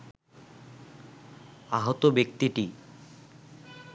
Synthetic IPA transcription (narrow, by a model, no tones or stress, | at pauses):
aɦot̪obek̚t̪iʈi